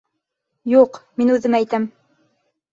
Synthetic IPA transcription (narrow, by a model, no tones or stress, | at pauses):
juqminʉðɘmæjt̪æm